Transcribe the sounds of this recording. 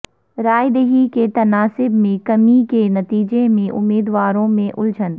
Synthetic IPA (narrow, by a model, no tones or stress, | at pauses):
ɾaːjd̪eɦiket̪ɐnaːsɪbmẽkɐmikenɐt̪iːd͡ʒemẽʔʊ̰mːiːd̪waːɾõmẽʔʊld͡ʒən